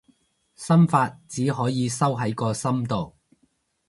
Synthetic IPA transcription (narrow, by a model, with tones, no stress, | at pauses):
sɐ˥mfaː˧t̚t͡siː˨˥ɦɔː˨˥jiː˨˧sɐ˥wɦɐ˨˥jkɔː˧sɐ˥mt̪o˨w